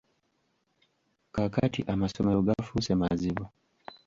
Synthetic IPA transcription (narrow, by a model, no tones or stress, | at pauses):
kakatiʔamasɔmɛuɡafusɛmazibɔ